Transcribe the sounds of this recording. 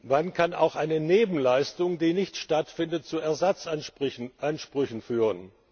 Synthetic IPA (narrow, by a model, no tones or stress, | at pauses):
vankʰana̰ʊxʔaɪnəneːbm̩laɪstʊŋdiːnɪçtʃtatfɪndət̚t͡suɛɐzat͡s | ʔanʃpʁ̥ʏçn̩fyːʁən